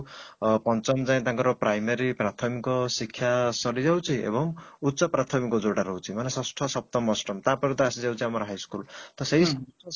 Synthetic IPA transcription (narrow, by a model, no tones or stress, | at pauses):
pʌnt͡sʌmt͡saĩt̪ãŋkoɾʌprajmeɾiprat̪ʰʌmikosikʰjasʌɾid͡zawt͡sʰĩḛbʌŋut̪ːsʌprat̪ʰʌmikod͡zoɽaɾʌɦwt͡sʰĩmʌnesʌsʈʰʌsʌp̚t̪ʌmʌsʈʌmt̪ãpʌɾĩt̪asid͡zawt͡sĩamʌɾɦajskult̪ʌsejs